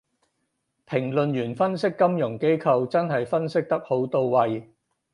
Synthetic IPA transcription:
pʰɪ˨˩ŋlɵ˨njyː˨˩nfɐ˥nsɪ˥kːɐ˥mjʊ˨˩ŋke˥jkʰɐ˨˧wt͡sɐ˥nɦɐ˨jfɐ˥nsɪ˥k̚t̪ɐ˥k̚ho˨˥wt̪o˨˧wwɐ˨j

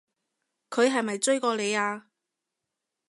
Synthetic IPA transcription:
kʰɵ˨˧ɥɦɐ˨jmɐ˨jt͡sɵ˥ɥkɔː˧le˨˧jaː˧

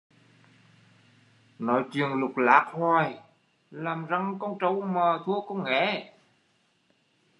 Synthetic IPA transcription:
nɔ˨˦jt͡ɕi˨əŋlʊ˨˩k͡p̚la̰ː˨˦˥k̚hwaː˧˩j | laː˨˩mza˧˩ŋkɔ˧ŋ͡mt͡ɕə˧˩wməː˨˩t̪ʰu˧˥əkɔ˧˦ŋ͡mŋɛ̰˧˩˥

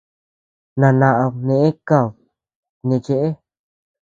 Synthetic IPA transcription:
nã˧nã˧ʔã˧nẽ˧˨ʔẽ˦ka˧˨ | nẽ˧t͡ʃe˧ʔe˦

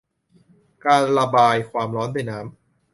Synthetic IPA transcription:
kaː˧nɾa˧baː˧jkʰwaː˧mɾɔː˦˥nda˧˥˩jnaː˦˥m

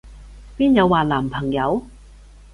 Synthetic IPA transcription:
piː˥njɐ˨˧wːaː˨˩laː˨˩mpʰɐ˨˩ŋjɐ˨˧w

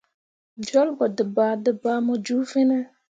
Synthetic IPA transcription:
d͡ʒɔ˦lɡɔ˨dɨ˨baː˨dɨ˨baː˨˦mɔ˦d͡ʒu˦fi˦nɛ˦

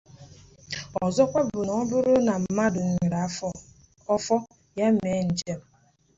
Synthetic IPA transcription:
ɔ˨zɔ˦kʷa˦bʊ˨nɔ˦bʊ˦ɾʊ˦na˨m̩˨ma˦dʊ˨ŋ̩˨ɾa˨ | ɔ˦fɔ˦ | ja˦m̩˦me˨˦n̩˨d͡ʒe˦m̩˨

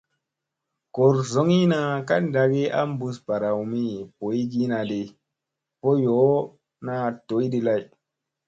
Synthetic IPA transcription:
ko˨ɾzo˦ŋi˦na˨ka˦nda˨ɡi˦a̰˦mbu˦spa˨ɾa˨wmi˦˨po˨i˦ɡi˦na˨di˨ | po˦jo˨˦ | na˦to˨˦ji˦di˦la˦j

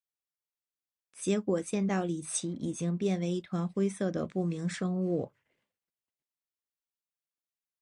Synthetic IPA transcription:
t͡ɕjɛ˧˥kwɔ˨˩t͡ɕjɛ˥˧nt̪ɑ˥˩ʊli˨˩t͡ɕʰi˧˥ʔḭ˨˩t͡ɕi˥ŋpjɛ˥˩nwe˧˥ɪi˥˩t̪ʰwa˧˥nxwe˥ɪsɤ˥˩d̪ə̰˩pu˥˩mi˧˥ŋʂɤ˥ŋu˥˩

